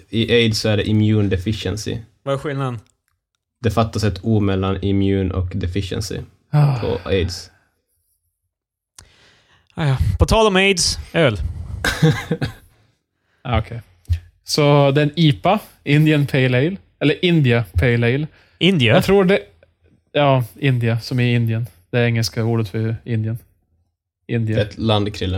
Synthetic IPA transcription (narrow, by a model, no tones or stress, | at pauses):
ɪʔeɪd̪sɔæɖɛʔɪmjʉːnd̪ɛfɪʂɛ̰nsɪ̰vaæɾɧɪlnad̪ | d̪̥ɛfat̪ːasɛt̪ʰuːmɛlːanɪmjʉːnʔɔ̰kd̪ɛfɪʂɛ̰nsɪ̰ | ɑpʰɔ̰eɪd̪s | ɑjɑpʰɔt̪ʰɑːlɔmeɪd̪søːl | aːɔkʰeɪ | sɔd̪ɛniːpa | ɪnd̪ɪənpʰɛɪleɪl | ɛlːəɾʔɪnd̪ɪapʰɛɪleɪl | ɪnd̪ɪajat̪ʰɾuːɖɛ | jɑːɪnd̪ɪasɔmæɾɪnd̪ɪən | d̪̥ɛæɾɛŋːəlskauːɖət̪fœɾɪnd̪ɪən | ʔɪnd̪ɪaɛt̪land̪kʰɾɪlːə